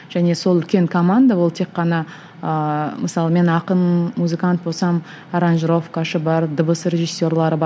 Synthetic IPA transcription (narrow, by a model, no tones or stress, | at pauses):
ʒ̥æne̞so̞lˠʏlkʲe̞ŋkʰo̞mand̪awo̞lˠt̪ʰe̞kːɑnɑ | əməsɑlˠəme̞nɑqənmuzɨkant̪̚bo̞sɑm | ɑɾanʒɾo̞fkaʃəbɑɾd̪əbəsrʲe̞ʒɨsʲːo̞rlˠɑɾəb